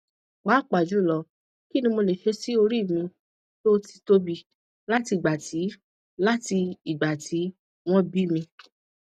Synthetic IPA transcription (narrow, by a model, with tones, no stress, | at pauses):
k͡paː˨˦˨k͡pa˨d͡ʒu˨˦˨lɔ˨˧ | ki˦˨nĩ˧mo˧le˨ʃe˧˦si˦o˧ɾi˦˨mĩ˧ | to˦ti̥˧to˦bi˧ | la˦ti˧i˨ɡ͡ba˨ti˨˦ | la˦ti˧i˨ɡ͡ba˨tʰi˨˦ | w̃ɔ̃˦bi˦˨mĩ˧